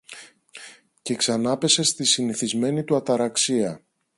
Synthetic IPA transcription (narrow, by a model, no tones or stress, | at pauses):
ce̞ksɐnɐpe̞se̞st̪isiniθizme̞nit̪uɐt̪ɐɾɐksiɐ